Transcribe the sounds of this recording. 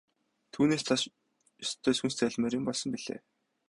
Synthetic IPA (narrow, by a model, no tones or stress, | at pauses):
t̪ʰuːneːst̪ʰas | ɵst̪ʰːeːsxunst͡sæːɮmeːɾĭmpɔɮsɞ̆mpiɮ̥ḛː